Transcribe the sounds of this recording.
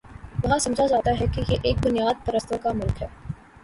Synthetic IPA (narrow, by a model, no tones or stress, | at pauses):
ʋɐɦãsɐ̃md͡ʒazaːt̪aɦɛkejeʔeːk̚bʊnijaːd̪̚pɐɾəst̪okamʊlkɦɛː